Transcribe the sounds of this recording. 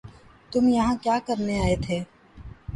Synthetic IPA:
t̪ʊmjɐɦãkjaːkɐɾneaːet̪ʰeː

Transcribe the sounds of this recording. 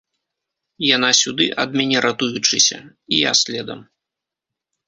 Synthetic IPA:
jan̪asʲud̪ɨʔɐd̪mʲanʲɛɾat̪ujut͡ʂɨsʲɐ̰ | ija̰sʲlʲɛd̪ɐ̰m

